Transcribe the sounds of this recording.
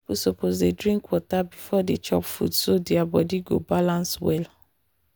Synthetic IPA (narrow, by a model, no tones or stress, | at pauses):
isopozdedɹĩŋkwɔtabifɔdet͡ʃɔ̰pfṵdsodɛabɔdiɡo̰balãnswɛ̰l